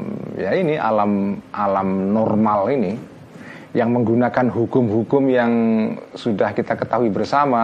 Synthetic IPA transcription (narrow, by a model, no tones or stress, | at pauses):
jainiʔa̰lamʔalamnɔrmalini | jaŋməŋɡunakanɦukʊmhukʊmjaŋsudahkit̪akət̪aɦuibərsama